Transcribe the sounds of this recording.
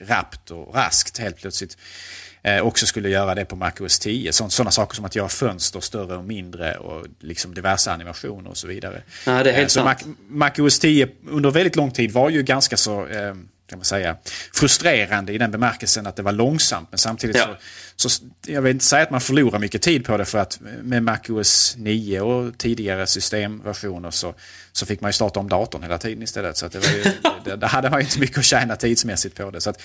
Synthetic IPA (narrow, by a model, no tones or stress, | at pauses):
ɾa̰pt̪ʰɔ̰ɾa̰skt̪heːlt̪pʰlœt̪slɪt̪ | ɔksɔskɵlːəjœːɾad̪ɛpʰɔma̰kʊɛst̪ʰiːə̰sɔnsɔnːasɑːkə̥ʂɔmat̪jœːɾafœnst̪əɾst̪œrəɔmɪnd̪ɾə̰ɔ̰lɪksɔmd̪ɪvæɾʂa̰ːnɪma̰ɧṵːnə̰ɾɔ̰sɔviːd̪a̰ɾə̰dɛsɔamakʊɛst̪ʰiːəɵnd̪əɾvɛld̪ɪt̪lɔŋːt̪ʰiːd̪vaɾjɵɡanskasɔ | kʰamansɛjːa̰fɾɵst̪ɾeːɾand̪əɪd̪ɛnbɛmæɾkəlsənat̪̚d̪ɛvaɾɭɔŋsa̰mt̪mɛnsamt̪ʰiːd̪ɪtsɔsɔjɑɡvɪlɪnt̪əsɛjat̪manfœɭuːɾaɾmʏkːət̪ʰiːd̪̚pʰɔd̪ɛfœɾat̪mɛmakɵɛsniːəɔt̪ʰiːd̪ɪɡaɾəsʏst̪eːmvæɧuːnəɾʂɔ | sɔfɪkːmanjɵst̪ɑːʈ̪aɔmd̪ɑːt̪ʊnheːlat̪ʰiːd̪ənɪst̪ɛlːə̰t̪sɔat̪̚d̪ɛvaɾjɵd̪æd̪æɾɦad̪ːəmanjʏɪnt̪əmʏkːəɔɕæːnat̪ʰiːd̪smɛsːɪt̪̚pʰɔd̪ɛsɔat̪